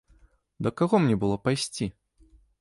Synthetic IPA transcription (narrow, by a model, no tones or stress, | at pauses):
d̪ɐkaɣɔmnʲɛbɨlˠɔpajsʲt͡sʲi